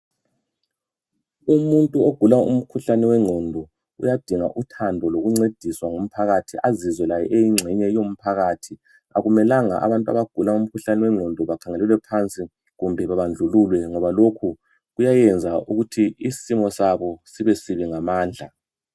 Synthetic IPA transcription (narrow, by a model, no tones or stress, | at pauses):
umuntʼuoɡ̥ʱulaṵm̩kʰuɬanɛwɛŋ͡ǀʱɔndʱɔ | ṵjad̥ʱiŋa̰ʔutʰandʱɔloɣuŋ͡ǀed̥ʱiswaŋom̩pʰaɣatʰiʔazizwɛlajɛʔejiŋ͡ǁʱɛɲɛjom̩pʰaɣatʰi | a̰ɣumɛlaŋa̰ʔa̰βantʼua̰βaɡ̥ʱulaum̩kʰuɬanɛwɛŋŋ͡ǀʱɔndʱɔβakʰaŋelɛlwɛpʰant͡sʼi | ɣumbʱɛβaβand͡ɮʱululwɛŋɔβalokʰu | ɣujajɛnd͡zʱauɣutʰiisimɔsaβɔsiβɛsiβiŋamaːnd͡ɮʱa̰